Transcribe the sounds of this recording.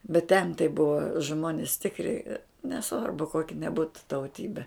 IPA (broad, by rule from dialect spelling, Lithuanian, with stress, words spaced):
bʲɛt tʲɛn tɐɪ ˈbʊʋɐ ˈʒmoːnʲɪs ˈtʲɪkrʲɪ nʲɛˈsʋɐrbʊ ˈkoːkʲɪ nʲɛˈbuːtʊ tɐʊˈtʲiːbʲɛ